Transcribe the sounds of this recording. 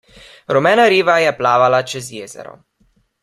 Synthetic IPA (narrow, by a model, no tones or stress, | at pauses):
ɾɔmɛːnaɾiːʋajɛplaːʋalat͡ʃɛzjeːzɛ̰ɾɔ̰